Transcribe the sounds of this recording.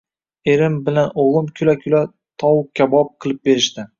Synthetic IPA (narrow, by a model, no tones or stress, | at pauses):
eɾɪmbɪlanoʁlˠɨmkʲʰʊlakʲʰʊla | t̪ʰɒwkʲʰabɒp̚qʰɨlˠɪp̚be̞ɾɪʃt̪ɪ